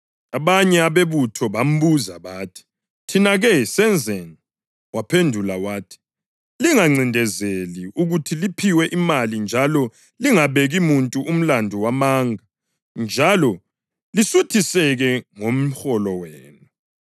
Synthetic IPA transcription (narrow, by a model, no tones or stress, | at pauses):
aβaɲɛaβeβutʰɔβam̩βuzaβaːtʰi̥ | tʰinaɣɛsɛnd͡zʱɛni | wapʰendʱulawaːtʰi̥ | liŋaŋ͡ǀʱindʱɛzeliʔuɣutʰilipʰiwɛʔimalind͡ʒʱalɔ | liŋaβeɣimuntʼuʔum̩landʱuwamaːŋɡa | nd͡ʒʱalɔ | lisutʰisɛɣɛŋom̩xɔlɔweːnu